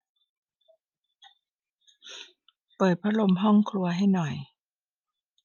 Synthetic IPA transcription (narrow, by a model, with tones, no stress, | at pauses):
pɤː˨˩t̪̚pʰa˦˥lo˧mɦɔ˥˩ŋkʰlu˧ɐɦa˥˩jnɔ˨˩j